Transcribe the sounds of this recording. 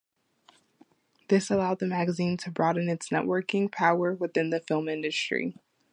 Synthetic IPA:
ðɪsəlaʊd̪̚ðɨmæɡɨzĩntʰɨbɹɔɾɨ̃nɨtsnɛ̰ʔwʔɜ˞kɪ̃ŋpʰaʊə˞wɨθɪ̃nðɨfɪlˠmɪ̃ndɨstɹ̥ḭ

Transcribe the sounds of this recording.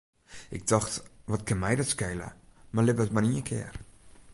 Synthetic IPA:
ʔɪɡ̚dɔxtʋɔtkɪnmɛjdɔtskɛjlə̰marlɪpəətmarniəkʰɪ̰ər

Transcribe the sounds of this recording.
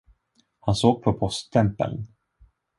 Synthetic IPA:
hansoːɡ̚pʰɔpʰɔst̪ʰːɛmpə̰ln

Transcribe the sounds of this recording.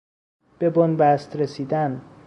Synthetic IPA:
b̥e̞bonbæst̪ɾesiːd̪æn

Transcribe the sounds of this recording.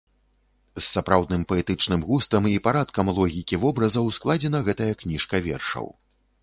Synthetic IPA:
sːapɾawd̪nɨmpɐɛt̪ɨt͡ʂnɨmɣust̪ɐmipaɾat̪kɐmlˠɔɣʲikʲivɔbɾɐzɐwsklˠad͡zʲɛnɐɣɛt̪ɐjɐknʲiʂkɐvʲɛ̰rʂɐ̰w

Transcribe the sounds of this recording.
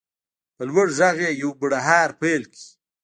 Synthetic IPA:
pəlwaɽzaɣejawbʊɽaɦaːɾpelki̥

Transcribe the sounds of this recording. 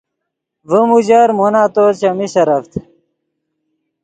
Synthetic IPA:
vəmud͡ʑaːɾmonaːt̪ot͡ɕɐmiɕɐɾɐft̪

